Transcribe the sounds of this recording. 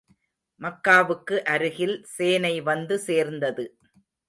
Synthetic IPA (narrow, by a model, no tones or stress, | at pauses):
mɐkːaːʋɯkːɯʔɐɾɯɣɪlseːnɐɪʋɐnd̪ɯseːɾnd̪ɐðɯ